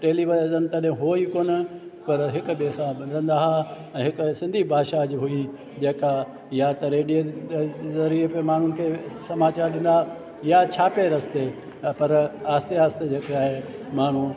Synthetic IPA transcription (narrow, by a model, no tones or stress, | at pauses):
ʈeːliʋɐzənt̪ɐɗɦɪ̃ɦoːikoːnəpɐɾɦɪkʊɓeːsãbɐnd̪ə̃nd̪aːɦa | ɛ̃ːɦɪkʊsɪ̃nd̪ʱibʱaːʃad͡ʑɦʊi | d͡ʑeːka | jat̪ɐɾeːɖie | zɐɾiepemaːɳ̤ʊnɪ̆kʰeːsɐmaːt͡ɕaːɾɗɪ̃n̆d̪a | jat͡ɕʰaːpeɾɐst̪e | pɐɾaːst̪eaːst̪ed͡ʑeːkeaːɦemaːɳ̤u